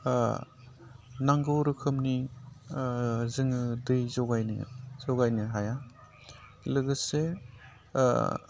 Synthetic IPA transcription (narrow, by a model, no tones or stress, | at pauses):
naŋɡɯwɾɯkʰɯmni | zɯŋɯdɯjzɔɡajnɯ̰z̥ɔɡajnɯɦaja | lɯɡɯsḛ